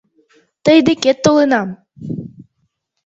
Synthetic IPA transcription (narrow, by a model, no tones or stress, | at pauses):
t̪ɤjd̪ɘket̪ːolˠɤnɑm